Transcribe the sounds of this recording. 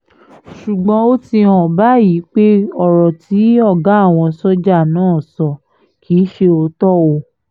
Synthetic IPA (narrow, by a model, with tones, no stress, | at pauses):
ʃu˨ɡ͡bɔ̃˧˦o˦ti˧hɔ̃˨ba˨˦ji˨˦k͡pe˦ɔ˦˨ɾɔ˨ti˨˦ɔ˦˨ɡa˨˦˨w̃ɔ̃˧sɔ˦d͡ʒa˦˨nãː˦˨sɔ˧˨ | kʰi˨˦ʃe˧o˧tɔ˦˨o˧